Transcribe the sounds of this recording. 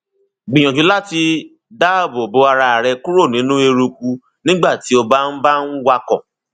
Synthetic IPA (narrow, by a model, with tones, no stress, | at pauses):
ɡ͡bĩ˨j̃ɔ̃˨d͡ʒũ˨˦la˦ti˧ | da˦˨bbo˧˦a˧ɾa˧a˨ɾɛ˧kũ˦ɾo˦˨nĩ˨˦nũ˦e˧ɾu˧ku˧ | nĩ˦ɡ͡ba˦˨ti˨˦o˧ba˦n̩˦ba˦n̩˦wa˧kɔ̰̃˨